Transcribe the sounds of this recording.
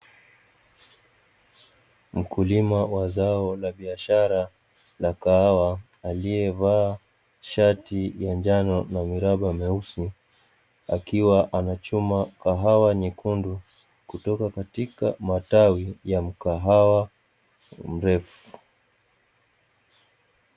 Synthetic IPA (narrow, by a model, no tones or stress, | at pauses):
m̩kulimawazaɔlaɓiaʃaɾa | lakahawaː | lijɛvaː | ʃatijand͡ʒanɔnamiɾaɓamɛusi | akiwaʔanat͡ʃumakaɦawaɲikundu | kutɔkakatika̰matawijam̩kaɦawa | m̩ɾɛfu̥